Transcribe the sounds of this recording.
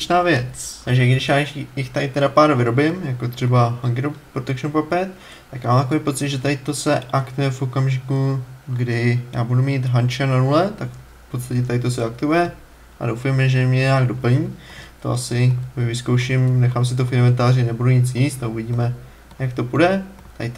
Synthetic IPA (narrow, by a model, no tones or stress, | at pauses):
t͡ʃnaːvjɛt͡st̪aɡʒɛɡdɪʃjaːjɪxt̪ajɪt̪ɛɾapaːɾvɪɾo̞bɪmjako̞t̪r̝̥ɛbaɦaŋɡɾopɾot̪ɛkt͡ʃonpapɛt̪ | t̪akjaːmamt̪akovijpo̞t̪t͡sɪd̪ʒɛt̪ajɪt̪o̞sɛʔakt̪ujɛfʔo̞kamʒɪkuɡdɪja̰ːbudumiːt̪ɦant͡ʃananulɛt̪ak | fpo̞t̪t͡st̪acɛt̪ajɪt̪os̬ɛak̚t̪uɛ | ʔa̰do̞wfajmɪʒɛmɲɛɲɛaːɡdo̞pl̩ɲiːt̪o̞̰ʔasɪmɪvɪskowʃɪmnɛxaːms̬ɪt̪̬ofɪnamɛnt̪aːrɪnɛbuduɲɪt͡sjiːst̪auvɪɟiːmɛ | jakt̪o̞pudɛ | t̪ajɪt̪